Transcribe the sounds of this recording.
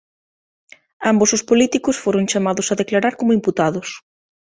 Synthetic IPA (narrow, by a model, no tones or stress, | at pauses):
ambosʊspolit̪ikʊsfoɾʊŋt͡ʃamaðʊsaðeklaɾaɾkomoimput̪aðʊs